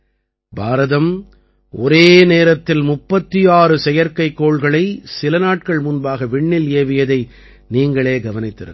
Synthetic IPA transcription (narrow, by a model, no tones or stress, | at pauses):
bʱaːɾɐðɐm | ʔɔɾeːneːɾɐt̪ːɪlmʊpːɐt̪ːɪjaːɾɯsɛjɐɾkɐɪkːoːɭɣɐɭɐɪsɪlɐnaːʈ̚kɐɭmʊnbaːɣɐʋɪɳːɪleːʋɪjɐðɐɪ | niːŋɡɐɭeːɡɐʋɐnɪt̪ːɪɾɯ̰k